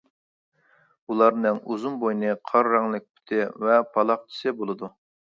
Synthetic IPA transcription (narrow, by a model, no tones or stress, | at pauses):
ulˠɑɾnɨŋuzunbojnɨqʰɑɾːɑŋlˠɪk̚ʲpʰy̥t̪ʰɪvɛpʰɑlˠɑq̚t͡ʃʰi̥sɪbolˠɨd̪u